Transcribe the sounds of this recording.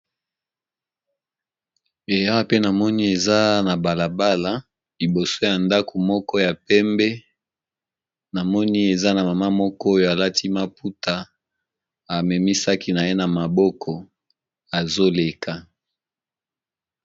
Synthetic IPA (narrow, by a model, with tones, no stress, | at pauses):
e˨ja˦a˦pe˦na˨mɔ˦ni˦e˨za˦na˨ba˨la˨ba˦la˨ | li˨bo˨so˦ja˨nda˦ko˨mɔ˦kɔ˦ja˨pɛ˦mbɛ˦ | na˨mɔ˦ni˦e˨za˦na˨ma˨ma˦mɔ˦kɔ˦o˦jo˨a˨la˦tʰi˦ma˦pu˦ta˨ | a˨mɛ˨mi˦sa˦ki˦na˨je˦na˨ma˨bɔ˦kʰɔ˨ | a˨zo˦le˨ka˦